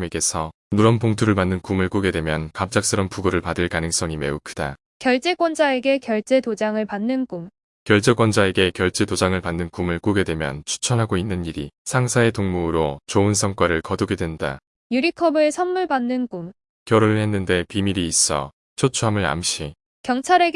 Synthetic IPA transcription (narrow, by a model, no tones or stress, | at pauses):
meɡe̞sʰʌ | nuɾʌmpoŋtʰuɾɯɭmanːɯnkumɯɭk͈uɡe̞dwe̞mjʌnkamt͡ɕ͈ak̚s͈ɯɾʌmpuɡoɾɯɭpadɯɭkanɯŋs͈ʌŋime̞̰ukʰɯd̥a | kjʌɭt͡ɕ͈e̞ɡwʌnd͡ʑae̞ɡe̞kjʌɭt͡ɕ͈e̞tod͡ʑaŋɯɭpanːɯnkum | kjʌɭt͡ɕ͈e̞ɡwʌnd͡ʑae̞ɡe̞kjʌɭt͡ɕ͈e̞tod͡ʑaŋɯɭpanːɯnkumɯɭk͈uɡe̞dwe̞mjʌ̰nt͡ɕʰu̥t͡ɕʰʌnɦaɡoinːɯniɾisʰaŋsʰae̞toŋmuɾot͡ɕoɯnsʰʌŋk͈waɾɯɭkʌduɡe̞dwe̞nda̰ | juɾikʰʌbɯesʰʌnmuɭpanːɯnkum | kjʌɾoɾihe̞nːɯnde̞pimiɾiːs͈ʌ̰ | t͡ɕʰot͡ɕʰuɦamɯɾa̰mɕ͈ʰi | kjʌŋt͡ɕʰaɾe̞